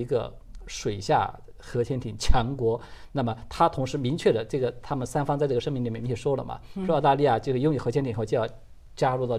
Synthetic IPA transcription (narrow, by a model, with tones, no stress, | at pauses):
i˧˥ɡə̰˧ | ʂwe˨˩ɪɕja̰˥˩ | xɤ˧˥t͡ɕʰjɛ˥nt̪ʰi˨˩ŋt͡ɕʰjɑ˧˥ŋkwɔ˧˥na˥˩mə˩t̪ʰa˥t̪ʰʊ˧˥ŋʂɻ̩˧˥mi˧˥ŋt͡ɕʰɥɛ˥˩d̪ə˩ʈ͡ʂɤ˥˩ɡə˩t̪ʰa˥mə˨nsa˥nfɑ˥ŋt͡sa˥ɪʈ͡ʂʂɤ˥mi˧˥li˨˩˨jʂwɔ˥lə̰˨˩mɐ̰˩˧˥t̪a˥˧li˥˧ja˥˧t͡ɕjʊʂɻ̩˥˧jʊ˥˧ŋy˥˩xt͡ɕʰɛ˥nt̪i˨˩xt͡ɕjjɑ˥˧˩ʊ | t͡ɕja˥ɻu˥˧t̪ɑ˥˩ʊ